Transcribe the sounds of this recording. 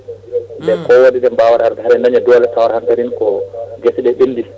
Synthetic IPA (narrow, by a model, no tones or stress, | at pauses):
bɛkɔwoɗiɗɛmbawaɾaɾdɛɦaɾɛnaɲɛdɔlɛtawaɾhantaɾinkɔɡesiɗɛɓinːdi